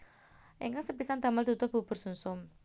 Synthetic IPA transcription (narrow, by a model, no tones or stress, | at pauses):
ʔiŋkaŋsəpisand̪a̤məlt̪ut̪ʊb̥ṳb̥ʊ̤rsunsʊm